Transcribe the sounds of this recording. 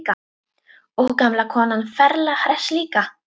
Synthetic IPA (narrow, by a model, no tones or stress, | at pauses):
ka | owkamlakʰɔːnanfɛɾlahɾɛsliːka